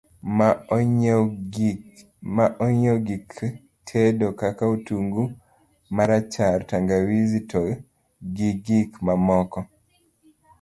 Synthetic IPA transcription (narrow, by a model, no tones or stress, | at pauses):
maʔɔɲoɡik | tʰedokakautuŋɡu | maɾat͡ʃaɾtaŋɡawizitɔ | ɡiɡikmamɔkɔ